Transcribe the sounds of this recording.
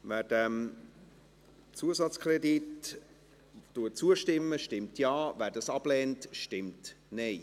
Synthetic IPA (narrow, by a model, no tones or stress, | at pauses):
væːd̥ɛm | t͡suəzɑt͡skʰrɛdit | d̥uət͡suəʃtɪmːəʃtɪmtʰjɑːvæːɾdɑsɑb̥lɛːntʃtɪmt | nɛɪ